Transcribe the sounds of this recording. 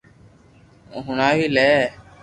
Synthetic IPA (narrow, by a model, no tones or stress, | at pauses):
ɦʊɳaːʋiːlɛː